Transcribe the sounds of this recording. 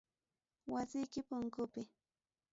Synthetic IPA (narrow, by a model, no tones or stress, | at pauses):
wasɪjkɪpʊŋkʊpɪ